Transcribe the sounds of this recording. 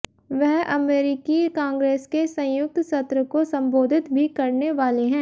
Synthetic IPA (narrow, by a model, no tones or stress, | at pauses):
ʋɛɦɐmeːɾɪkikãːŋɡɾeːskesɐ̃jʊk̚t̪sɐt̪ɾəkosɐ̃mboːd̪ʱɪt̪bʱikɐɾneʋaːleɦɛ̃ː